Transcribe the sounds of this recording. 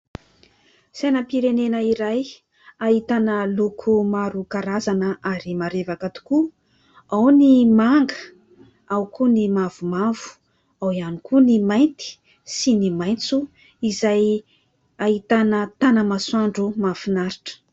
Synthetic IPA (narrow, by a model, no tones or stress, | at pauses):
sajnəpiɾenenəiɾaj | ait̪anəlukʰumaɾukaɾazanəʔaɾimaɾevakət̪u̥ku | awnimaŋɡə | awkunimavumavu̥ | awianikunimajnt̪i̥ | sinimajnt͡su | izaj | ait̪anət̪anəmaswaɳɖ͡ʐumafinaɾiʈ͡ʂə̥